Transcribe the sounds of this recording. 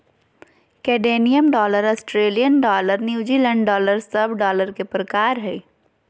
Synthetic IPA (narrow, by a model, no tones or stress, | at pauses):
kɛːɖeːnijəmɖɔːləɾɔsʈɾeːlijənɖɔːləɾnjiuːd͡ʒiːlɛ̃ɳɖɖɔːləɾsɐbɖɔːləɾkepɾəkaːɾɦɛː